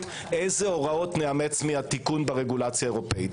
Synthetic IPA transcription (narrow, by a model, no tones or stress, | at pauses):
ezeo̞ʁao̞t̪neamet͡smiat̪ikunbeʁeɡulat͡sjaeʁo̞peit